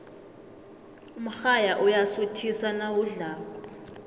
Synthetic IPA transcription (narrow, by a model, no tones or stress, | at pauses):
um̩xajaʔujasutʰisanawuɮaːkʼɔ